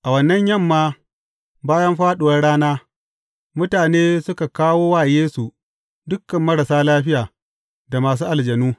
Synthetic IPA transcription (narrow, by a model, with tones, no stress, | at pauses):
ʔa˨wɐ˨nːɐ˦ɲjɐ˦˨mːaː˦ | baː˦jɐ˦mɸaː˦ɗʊ˨wɐ˦rɽaː˦naː˦ | mʊ˦taː˨neː˦sʊ˦ka˨kaː˦woː˦waː˨jeː˦su˨ | dʊ˦kːɐ˨mːɐ˦ɽɐ˨saː˦laː˦ɸɪ˦jaː˨ | da˨maː˨s̬uː˦ʔa˨ld͡ʒɐ˨nuː˦